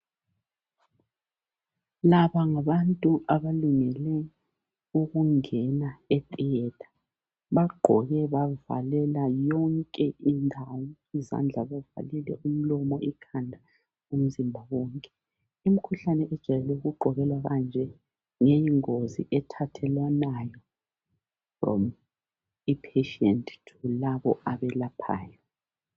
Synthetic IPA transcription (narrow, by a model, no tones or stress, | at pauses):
laβaŋaβantʼuʔaβaluŋɛlɛ | uɣuŋɛnaɛtʼiɛtʰʼḁ | βaɡ͡ǃʱɔɣɛβava̰lɛlajɔŋkʼɛʔindʱawɔ | iza̰nd͡ɮʱaβava̰lilɛ̰ʔum̩lɔmɔikʰandʱa | um̩zimbʱaɣɔŋkʼɛ | im̩kʰuɬanɛʔɛd̥ʒ̥ʱajɛlɛuɣuɡ͡ǃʱɔɣɛlwaɣand͡ʒʱɛ | ŋejiŋoziʔɛtʰatʰɛlanajɔ | frɔ̰m | ipʰeʃɛntʰʼtʰulaβɔʔaβɛlapʰa̰ːjɔ